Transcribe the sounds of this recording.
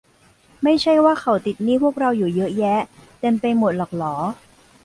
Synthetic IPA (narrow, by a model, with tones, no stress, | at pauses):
ma˥˩jt͡ɕʰa˥˩jwaː˥˩kʰa˨˧˩wt̪i˨˩t̪̚niː˥˩pʰu˥˩ək̚ɾa˧wjuː˨˩jɤ˦˥ʔjɛ˦˥t̪e˧mpa˧jmo˨˩t̪̚lɔː˨˩k̚lɔː˩˦